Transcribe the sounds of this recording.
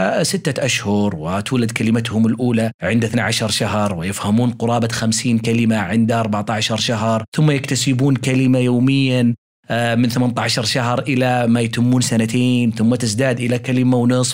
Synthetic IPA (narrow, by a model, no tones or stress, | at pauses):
sɪt̪ːaʔaʃhʊɾwɪt̪uːlad̪kalɪmat̪hʊmɪlʔuːlaʕɪnd̪ɪθnaʕaʃɑɾˤʃaɦɾˤwɪjɪfhamuːnqʊɾˤɑːbaxamsiːnkalɪmaʕɪnd̪ʔɑɾˤbaʕt̪aʕaʃɑɾˤʃaɦɾˤθʊmːajɪkt̪asɪbuːnkalɪmajoːmɪjːa | mɪnθɪmant̪aʕaʃɑɾˤʃaɦɾˤʔɪlamajat̪ɪmːuːnsanat̪eːnθʊmːat̪ɪzd̪aːd̪ʔɪlakalɪmawnɨsˤf